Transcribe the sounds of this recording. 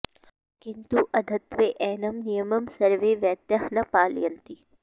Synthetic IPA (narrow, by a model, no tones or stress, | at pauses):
kɪnt̪uʔɐd̪ʱɐt̪ʋeʔɛːnɐmnijəmɐmsɐɾʋeːʋjɐt̪jaɦnɐpaːljɐnt̪i